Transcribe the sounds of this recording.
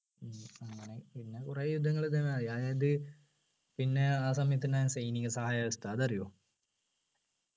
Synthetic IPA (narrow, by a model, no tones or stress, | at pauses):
amɐneinːekureːjud̪ʱːɐŋːɐɭet̪̬ɐmeaːjaːjaːid̪ɨ | pinːeaːsɐmjit̪̬ːinaːjsejniŋʲɐsɐɦaːjaːʋɐst̪aːðɐrijo